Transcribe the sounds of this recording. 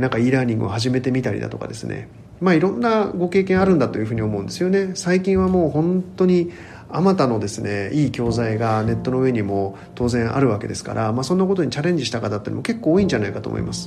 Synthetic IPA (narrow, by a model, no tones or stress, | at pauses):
nãŋkaiːɾãɲ̟ĩŋɡɯ̟̰ohaʑime̞t̪e̞mʲit̪aɾʲḭd̪a̰t̪o̞̰ka̰d̪e̞sɨne̞̰ | maːiɾõ̞nːaɡo̞ke̞ːkẽɰ̃aɾɯ̟̃nd̪at̪o̞jɯ̟ɸɯːɲ̟io̞mo̞ɯ̟̃nd̪e̞sɨjo̞ne̞saikʲĩɰ̃βamo̞ːhõ̞nt̪o̞ɲ̟i | amat̪ano̞d̪e̞sɨne̞iːkʲo̞ːzaiɡane̞t̪ːo̞no̞ɯ̟e̞ɲ̟imo̞ | t̪o̞ːzẽɰ̃ʔa̰ɾɯ̟βake̞d̪e̞sɨ̥ka̰ɾʔamaːsõ̞nːakot̪o̞ɲ̟it͡ɕaɾẽ̞ɲ̟d͡ʑiɕi̥t̪akat̪at̪ːḛnmoke̞kːo̞ːĩɲ̟d͡ʑanaikat̪o̰mo̰ḭmʔasɨ̥